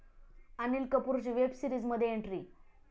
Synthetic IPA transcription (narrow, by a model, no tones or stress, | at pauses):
anilkəpuɾt͡ɕʋebsiɾiːd͡zməd̪ʱjeeɳʈɾi